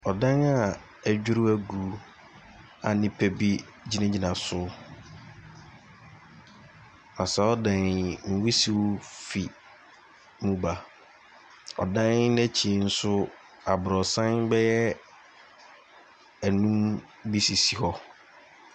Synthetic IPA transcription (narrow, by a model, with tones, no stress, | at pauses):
ɔ˨dã˦na˨ | æ˨d͡ʑᶣu˦ɾʊ˦æ˦ɡuː˨˦ | a˨nɪ̃˦pʰɛ˨bi˦ | d͡ʑi˦nã˦d͡ʑi˨nã˨sʊ˦ | nã˨sɛ˨˦ɔ˦dã˨nŋ̩˨wi˦si˨wfi˨ | mũ˦ba˨ | ɔ̰˨dã˦nnɛ̃˦t͡ɕʰi˨˦n̩˦sʊ˦ | a˨bɾɔ˨sã˦nbɛ˦jɛ˦ | æ˨nũ˦m | bi˦si˨si˨hɔ˦